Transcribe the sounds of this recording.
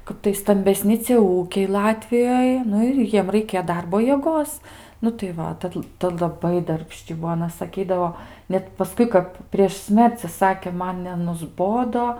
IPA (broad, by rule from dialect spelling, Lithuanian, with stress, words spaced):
ˈkɐp tɐɪ stɐmʲbʲɛˈsʲnʲɪ t͡sʲiɛ ˈuːkʲɛɪ ˈlˠɑːtʲʋʲɪjoːj ˈnʊ ɪr ˈjiɛm rɐɪˈkʲeː ˈdɐrboː jiɛˈɡoːs nʊ tɐɪ ˈʋɐ ˈtɐt ˈtɐ lˠɐˈbɐɪ dɐrʲpʲˈʃʲt͡ʃʲɪ ˈbuɔ ɐˈnɐ sɐˈkʲiːdɐʋoː ˈnʲɛt pɐˈskʊɪ kɐp pʲrʲiɛʃ ˈsʲmʲɛrʲt͡sʲɪ ˈsɑːkʲeː ˈmɐn nʲɛnʊzˈboːdoː